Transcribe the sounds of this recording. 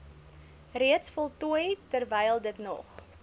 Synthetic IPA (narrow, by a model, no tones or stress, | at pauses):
riətsfɔlˠtuəjtərvɛjlˠdətnɔ̰χ